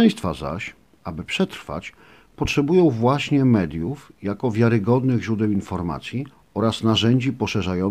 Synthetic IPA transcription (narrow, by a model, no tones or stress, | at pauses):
ɛj̃st̪fa̰za̰ɕ | abɘpʂɛt̪ɾfa̰t͡ɕ | pɔtʂɛbujɔ̃w̃vwaɕɲɛmɛd̪ʲjufjakɔvʲjaɾɘɡɔd̪nɘɣʑɾud̪ɛwinfɔɾma̰t̪sʲji | ɔɾasnaʐɛɲd͡ʑipɔʂɛʐajɔ